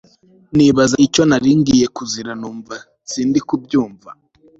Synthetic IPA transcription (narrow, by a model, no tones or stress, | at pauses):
niβazaico̞naɾiːŋɡije̞kuziɾanuːɱva | z̥iːndikub̚ɟuːɱva